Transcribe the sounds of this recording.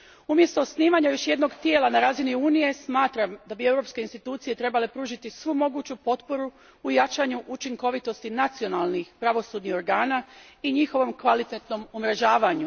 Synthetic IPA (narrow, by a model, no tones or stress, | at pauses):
umjest̪o̞sniːʋaɲajo̞ʃje̞d̪no̞ɡt̪jeːlˠanaɾaːziniuːnije̞smaːt̪ɾamd̪abie̞wɾopskeinst̪it̪uːt̪sije̞t̪ɾe̞bale̞pɾuːʒit̪isʋumo̞ɡuːt͡ɕupo̞t̪po̞ɾuː | jat͡ʃaɲuʔut͡ʃiŋko̞ʋit̪o̞st̪inat̪sio̞nalˠnixpɾaʋo̞suːd̪nixo̞ɾɡaːna | iɲixo̞ʋo̞mkʋalit̪et̪no̞mumɾeʒaːʋaɲu